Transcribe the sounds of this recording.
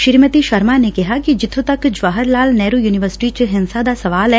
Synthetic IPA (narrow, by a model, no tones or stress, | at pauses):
ʃɪɾmət̪iʃəɾmaːnekɪɦaːkid͡ʒɪt̪ʰõt̪əkd͡ʒʋaːɦəɾlaːlnɛːɾuːjuːnɪʋəɾsɪ̥ʈit͡ʃɦɪnsad̪aːsɐʋaːlɛː